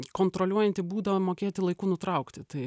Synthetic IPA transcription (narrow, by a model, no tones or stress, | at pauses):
koːnt̪ɾolʲuɔjɛnʲt̪ʲɪbuːd̪ɐʋɐmoːkʲeːt̪ʲɪlˠɐɪkuːnʊt̪ɾɐʊkt̪ʲɪt̪ɐɪ